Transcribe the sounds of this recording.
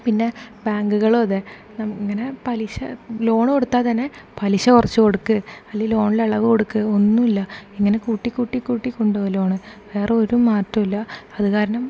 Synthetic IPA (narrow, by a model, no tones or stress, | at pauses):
pinːe̞baːŋɡuɣɐɭoːðe | nɐmiŋːɐne̞pɐliɕɐ̰lo̞ːɳɨkoɽut̪ːaːt̪ɐnːe̞pɐliɕɐkurɐt͡ɕːɨko̞ɽukːɨɐlːilo̞ːɳileɐɭɐʋɨko̞ɽukːɨonːumilːɐiŋːɐne̞kuːʈːikːuːʈːikːuːʈːikʲːoɳɖolo̞ːɳɨʋe̞ːreo̞ɾumaːtːɐmilːɐɐðukaːɾɐɳɐm